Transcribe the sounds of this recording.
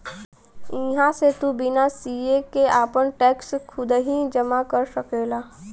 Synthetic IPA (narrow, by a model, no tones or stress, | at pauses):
ɪɦãset̪ubɪnasiekeaːpənʈɛːkskʰʊd̪ɦid͡ʒəmakəɾsəkelaː